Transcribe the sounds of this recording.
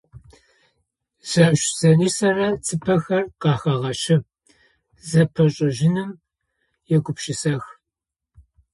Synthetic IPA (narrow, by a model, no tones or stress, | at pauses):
z̥ɐɕz̥ɐriːsɐrɐt͡sʰɨpʰɐxɐrqɑːxɐʁɐʃɪ | zɐpʰɐɕʼɐʒɪnɨm | jɛɡʷʊpʃɪsɐx